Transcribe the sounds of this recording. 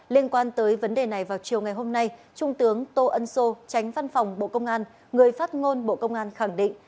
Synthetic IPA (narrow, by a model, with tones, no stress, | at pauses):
li˧ənkwaː˧nt̪əː˨˦jvə˨˦nɗe˨˩na˨˩jvaː˨˩wt͡ɕi˨˩əwŋa˨˩jɦo˧mna˧j | t͡ɕʊ˧ŋ͡mt̪ɨ˨˦əŋt̪o˧ʔə˧nso˧t͡ɕa˨˦jŋ̟va˧nfa˨˩wŋ͡mɓo̰˧˨kə˧wŋ͡mʔaː˧n | ŋɨ˨˩əjfaː˦˥t̚ŋo˧nɓo̰˧˨kə˧wŋ͡mʔaː˧nxa˧˩ŋɗḭ˧˨ŋ̟